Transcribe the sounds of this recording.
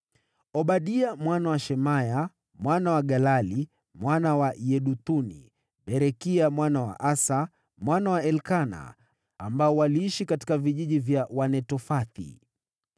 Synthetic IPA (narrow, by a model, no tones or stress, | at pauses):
ɔɓaɗiamwanawaʃɛmaja | mwanawaɠalali | mwanawajɛɗut̪unḭ | ɓɛɾɛkiamwanawa̰ʔasa | mwanawaɛlkana̰ | ambaɔwaliiʃikati̥kaviʄiʄivjawanɛtɔfaθḭ